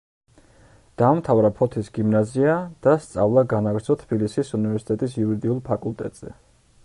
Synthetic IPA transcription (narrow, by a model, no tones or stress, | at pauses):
d̪̥amt̪ʰavɾapʰɔt̪ʰisɡimnaziad̪̥ast̪sʼa̰vlˠaɡanaɡɾsʰɔt̪ʰb̥ilisisunivɛɾsi̥t̪ʼɛt̪ʼisiuɾid̪iulˠpʰakʼulˠt̪ʼɛ̰t̪ʼz̥ɛ